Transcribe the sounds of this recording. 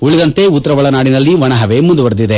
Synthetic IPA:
uɭid̪ɐnt̪e̞ut̪ːɐɾɐʋɐɭɐnaːɽinɐlːiʋɐɳɐɦɐʋe̞mund̪uʋɐɾd̪id̪e

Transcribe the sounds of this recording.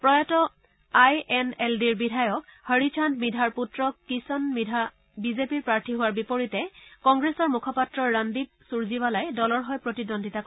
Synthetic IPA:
pɹɔjatɔ | ajɛnɛldiɹbidʱajɔkhəɹit͡ʃʰantmidʱaɹputɹɔkisɔnia | bizepiɹpɹaɹtʰiɦʊwaɹbipoɹitɛkɔŋɡɹesɔɹmukʰɔpatɹɔːandib̚suɹzibalajdɔlɔɹɦɔjpɹotidondʱitak

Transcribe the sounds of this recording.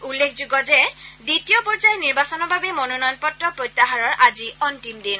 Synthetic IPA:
ulːekʰzʊɡɔzɛditijɔpɔɹd͡ʒajniɹbasɔnɔɹbʱabɛmɔnonɔjɔnpɔtɹɔpɹɔjtːaɦaɹɔɹʔaziɔntimdin

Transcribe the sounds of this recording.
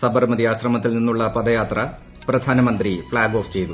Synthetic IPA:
sɐbɐrmɐd̪iaːɕrɐmɐt̪ːilninːuɭːɐpɐd̪ɐjaːt̪rɐ | prɐd̪ʱaːnɐmɐnd̪rifɭaːɡo̞ːft͡ɕe̞jt̪u

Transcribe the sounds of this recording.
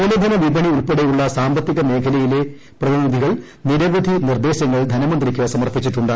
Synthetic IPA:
ulɐd̪ʱɐnɐʋibʱɐɳiuɭpeɽejuɭːɐsaːmbɐt̪ːiɣɐme̞ːkʰɐlɐjile̞ | prɐðinid̪ʱiɣɐɭ | niɾɐʋɐd̪ʱinird̪e̞ːɕɐŋːɐɭd̪ʱɐnɐmɐnd̪rikʲːɨsɐmɐrpit͡ɕːiʈːuɳɖɨ

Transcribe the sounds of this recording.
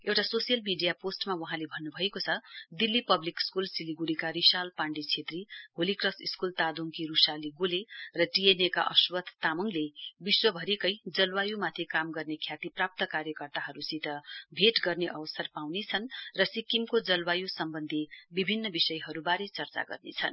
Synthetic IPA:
ewʈasosijʌlmiɖijaposʈmawʌɦãlebʱʌnːubʱʌekot͡sʰʌd̪ilːipʌblikskulsiliɡuɾikaɾisalpaɳɖit͡sʰet̪riɦolikrʌsiskult̪ad̪oŋkiɾusaliɡolerʌʈieneka̰ʔʌswʌt̪t̪amʌŋlebiswʌbʱʌɾikʌjd͡zʌlwajumat̪ʰikamɡʌrnekʰjat̪iprap̚t̪ʌkaɾjʌkʌrt̪aɦʌɾusit̪ʌbʱeʈɡʌrneʔʌbʌsʌrpawnet͡sʰʌnrʌsikːimkod͡zʌlwajusʌmbʌnd̪ʱibibʱinːʌbisʌjɦʌɾubaɾet͡sʌrt͡sa̰ɡʌ̰rnḛt͡sʰʌn

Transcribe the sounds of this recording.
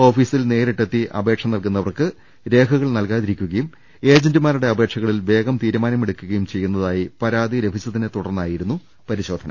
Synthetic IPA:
o̞ːfiːsilne̞ːɾiʈːet̪ːiʔɐ̰be̞ːkʂɐmnɐlkunːɐʋɐrkɨ | ɾe̞ːkʰɐɣɐɭnɐlkaːðiɾikʲːuɣɐjum | e̞ːd͡ʑendɨmaːɾuɽe̞ɐbʱe̞ːkʂɐɣɐɭilʋe̞ːɡɐmt̪iːɾumaːnɐmeɽukʲːuɣɐjumt͡ɕe̞jːunːɐðaːjipɐɾaːd̪iɾebʱit͡ɕːɐðinet̪uɽɐrnːaːjiɾunːu | pɐɾiɕo̞ːd̪ʱɐnʔɐ̰

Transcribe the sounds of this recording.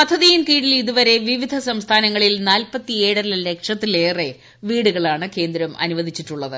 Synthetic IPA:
pɐd̪ʱːɐðijinkiːɽiliðuʋɐɾe̞ʋiʋid̪ʱɐsɐmst̪ʰaːnɐŋːɐɭilnaːlpɐt̪ːie̞ːɽɐilɐle̞kʂɐt̪ːile̞ːre | ʋiːɽuɣɐɭaːɳɨke̞ːnd̪ɾɐmɐ̰nuʋɐd̪ʱit͡ɕːiʈːuɭːɐðɨ

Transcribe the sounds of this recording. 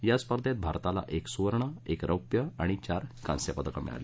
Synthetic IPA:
jaspəɾd̪ʱet̪̚bʱaɾt̪ala̰ʔeksuʋəɾɳəekɾʔəwpjəaɽ̃it͡ɕaɾkã̰nsjapəd̪əkəmḭɭa̰le

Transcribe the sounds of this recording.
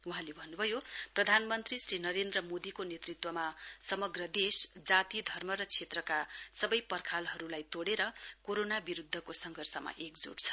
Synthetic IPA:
uɦãlebʱʌnːubʱʌjoprʌd̪ʱanmʌnt̪risrinʌɾend̪rʌmod̪ikonet̪rit̪wʌmasʌmʌɡrʌd̪esd͡zat̪id̪ʱʌrmʌɾʌt͡sʰet̪rʌkasʌbʌjpʌrkʰalɦʌɾulajt̪oɽeɾʌkoɾonabiɾud̪ʱːʌkosʌŋɡʱʌrsʌma̰ʔekd͡zo̰ɽt͡sʰʌ̥

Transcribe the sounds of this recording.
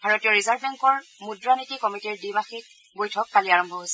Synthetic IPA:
bʱaɹotijɔɹizaɹbɛŋkɔɹmudɹanitikɔmitiɹdimaxit̚ | bojtʰɔk̚pʰaliaɹɔmbʱɔɦojsɛ

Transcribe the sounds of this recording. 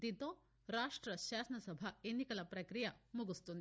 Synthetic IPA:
d̪it̪oː | ɾaːʂʈɾɐɕaːsɐnɐsɐbʱaenːikɐlɐpɾɐkɾijɐmuɡust̪und̪i

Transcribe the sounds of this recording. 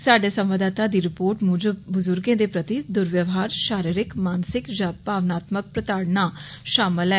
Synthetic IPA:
saːɖeːsəmʋəd̪aːt̪aːd̪iːɾɪpoːɾʈmũːd͡ʒəbʊzʊɾɡẽːd̪eːpɾət̪id̪ʊɾʋjəʋɦaːɾʃaːɾiɾɪkmaːnsɪkd͡ʒaːpaːʋnaːt̪mək̚pɾət̪aːɽnaː | ʃaːmɪlɛː

